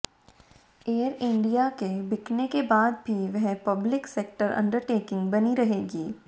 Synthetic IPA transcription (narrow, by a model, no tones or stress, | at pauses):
eːəɾɪ̃ɳɖijakebɪknekebaːd̪̚bʱiʋɛɦpɐblɪkseːk̚ʈəɾʔɐ̰̃ɳɖəɾʈeːkɪ̃ŋɡbɐniɾɐɦeːɡiː